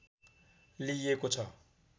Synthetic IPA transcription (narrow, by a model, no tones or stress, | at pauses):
lijekot͡sʰʌ